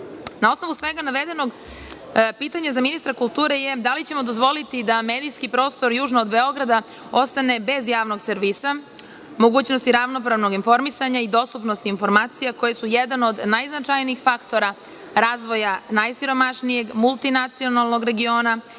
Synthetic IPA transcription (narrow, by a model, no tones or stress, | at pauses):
nao̞sno̞ʋusʋe̞ɡanaʋe̞d̪e̞no̞ɡ | piːt̪aɲazaminist̪ɾakulˠt̪uːɾejed̪alit͡ɕe̞mo̞d̪o̞zʋo̞lit̪id̪ame̞ːd̪ijskipɾo̞ːst̪o̞ɾjuːʒnood̪be̞o̞ɡɾad̪a | o̞st̪ane̞be̞zjaːʋno̞ɡseɾʋisa | mo̞ɡuːt͡ɕnost̪iɾaʋno̞p̬ɾaʋno̞ɡinfo̞ɾmisaɲaid̪o̞st̪upno̞st̪iiːnfo̞ɾmaːt̪sijako̞jesujed̪ano̞d̪najznat͡ʃajniːixfakt̪o̞ɾa | ɾaːzʋo̞janajsiɾo̞maʃnije̞ɡmulˠt̪inat̪sio̞nalˠno̞ɡɾeɡio̞ːna